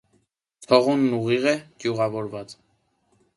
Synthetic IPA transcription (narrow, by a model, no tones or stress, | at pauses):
t̪ʰɔʁunːuʁiʁɛɡ̥juʁɑvɔɾvɑt͡s